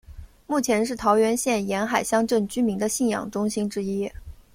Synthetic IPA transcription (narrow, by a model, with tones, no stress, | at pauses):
mu˥˩t͡ɕʰjɛ˧˥nʂ̬ɻ̩˥˩t̪ʰɑ˧˥ʊɥɛ˧˥nɕjɛ˥˩njɛ˧˥nxa˨˩ɪɕjɑ˥ŋʈ͡ʂɤ˥˩ŋt͡ɕy˥mi˧˥ŋd̪ə˧ɕi˥˩njɑ̰˨˩ŋʈ͡ʂʊ˥ŋɕi˥nʈ͡ʂɻ̩˥i˥